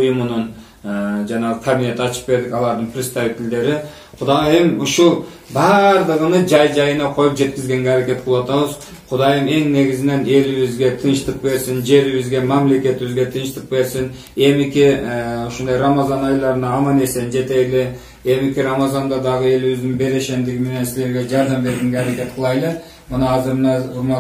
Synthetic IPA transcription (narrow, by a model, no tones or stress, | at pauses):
ujumunun | d͡ʒɑnɑʁəkʰɐbʲinʲe̞t̪iɑt͡ʃʰɯ̥q̚be̞ɾd̪ikɑlˠɑɾd̪ɨnprʲɪst̪aɾit̪ild̪e̞ɾi | qʰud̪ɑjɯmuʃulˠ | bɑɾd̪ɯʁɯnɯd͡ʒɑjd͡ʒɑjɯnɑqʰo̞jupd͡ʒe̞t̪̚kizɡe̞ŋɡʲeaɾake̞t̪̚qʰlˠwɑt̪ɑβɯz | qʰʊd̪ɑjɯme̞ŋne̞ɡizine̞ne̞liβizɡʲe̞t̪ʰɯnʃt̪ɯq̚be̞ɾsind͡ʒe̞ɾiβizɡe̞mamle̞ke̞t̪iβizɡʲe̞t̪ʰɯnʃt̪ɯq̚be̞ɾsin | e̞mikiuʃund̪ɑjramɑzɑnɑjlˠɑɾɯnɑːmɑne̞send͡ʒe̞t̪e̞jle | e̞mikʲiɾamɑzɑnd̪ɑd̪ɑʁɯe̞liβizd̪inbe̞ɾe̞ʃe̞nd̪iɡimene̞nsile̞ɾɡʲe̞d͡ʒɑɾd̪ɑmbe̞ɾɡeŋɡeaɾeke̞t̪̚qʰəlˠɑjlˠe | mɯnɑːzɯɾmnɑuɾmɑ